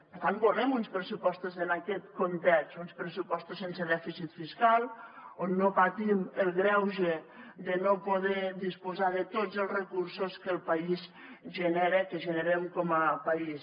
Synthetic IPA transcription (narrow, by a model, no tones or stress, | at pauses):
ppəɾt̪anboremunspɾəsupɔst̪ozənakɛt̪kont̪ɛʃunspɾəsupɔst̪osensəðɛfisit̪fiskalˠonːopat̪iməlˠɣɾɛwʒed̪ənopoðɛðispozaðət̪od͡zəlˠzrəkursoskəlˠpaiz | ʒənɛɾəkəʒənəɾemkɔməpais